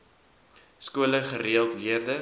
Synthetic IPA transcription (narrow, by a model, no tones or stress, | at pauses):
skuələχəɾiəlˠtliərdə